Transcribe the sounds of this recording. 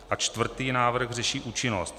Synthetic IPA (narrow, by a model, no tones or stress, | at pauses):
ʔat͡ʃt̪vr̩t̪iːnaːvr̩ɣrɛʃiːʔuːt͡ʃɪnost̪